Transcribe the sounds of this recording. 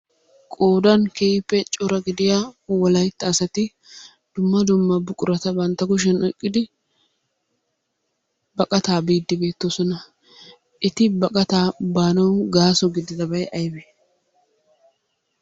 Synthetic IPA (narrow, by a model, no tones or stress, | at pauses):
kʼoːd̪ɐnkeɪpːɛt͡ʃʼɔɾɐɡɪd̪ɪjaːwɔlɐjt̪ːɐːsɐt̪ɪ | d̪̥ʊmːɐd̪ʊmːɐbʊkʼʊɾɐt̪ɐbɐnt̪ːɐɡʊʃ̬ɛnɔjkʼːɪd̪ɪ | bɐkʼɐt̪aːbiːd̪ːɪbe̞ːt̪ːosɔnɐ | ʔɪt̪ɪbɐkʼɐt̪aːbaːnɐwɡaːsɔɡɪd̪ɪd̪ɐbɐjʔɐjbe